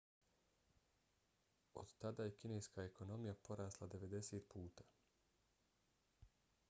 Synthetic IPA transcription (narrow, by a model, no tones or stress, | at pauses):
o̞̰d̪t̪ad̪aːje̞kine̞jskaekʰo̞no̞mijapo̞ɾaːslˠad̪e̞ʋe̞d̪e̞seːt̪puːt̪aː